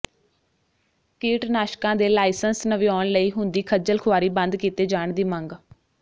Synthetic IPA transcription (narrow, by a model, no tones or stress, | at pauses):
kiːʈnaːʃkãːd̪eːlaːɪsənsnəʋiɔːɳləiːɦʊnd̪iːkʰəd͡ʒəlkʰʊaːɾiːbə̃nd̪kiːt̪eːd͡ʒaːɳd̪iːmə̃ŋɡ